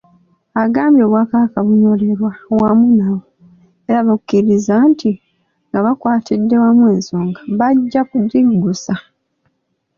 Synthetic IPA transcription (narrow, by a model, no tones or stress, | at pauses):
aɡaːmbjo̞ːβwaːkaβakaβuɲo̞le̞ɾwawamunawo | e̞ɾaβakukːiɾizantʰi | ŋɡaβakwaːtidːe̞wamwe̞ːnsoːŋɡaβaɟːakudːiɡusa